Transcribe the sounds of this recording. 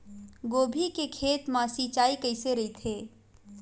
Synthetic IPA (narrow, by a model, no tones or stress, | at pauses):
ɡoːbʱikekʰeːt̪mãsit͡ʃaːikəɪseɾɐit̪ʰeː